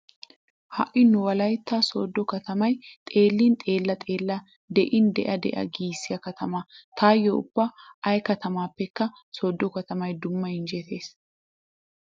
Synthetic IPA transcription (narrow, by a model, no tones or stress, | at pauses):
hɐ̰ʔɪnːʊwɐlɐjt̪ːasoːd̪ːɔkɐt̪ɐmɐjt̪ʼe̞ːlːint̪ʼeːlːɐt̪ʼe̞ːlːɐ | d̪ɛʔɪnd̪ɛ̰ʔɐd̪ɛ̰ʔɐ̰ɡiːsːɪjɐkɐt̪ɐmaːt̪ʰaːjːoʊ̰b̥ːɐɐjkɐt̪ɐmaːpːɛkːɐ | soːd̪ːɔkɐt̪ɐmɐjd̪ʊmːɐɪnd͡ʒɛt̪e̞ːs